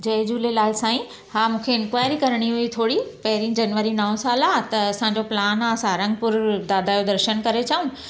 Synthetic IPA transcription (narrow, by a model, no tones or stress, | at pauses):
d͡ʑɐd͡ʑuːlelaːɪsãːĩ | hãːmũːkʰeɪnkʋaːɪɾikɐɾɽ̃iɦuit̪ʰoːɽipɐɦɪɾĩd͡ʑɐnʋəɾinɐõsaːlaːt̪ɐɐsãːɲ̆d͡ʑoplaːnasãɾɐ̃ŋɡ̚pʊɾd̪aːd̪ʱaːjod̪ɐɾʃənkɐɾet͡ɕɐũ